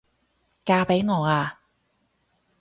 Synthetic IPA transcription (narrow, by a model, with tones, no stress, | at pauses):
kaː˧pe˨˥jŋɔː˨˧aː˧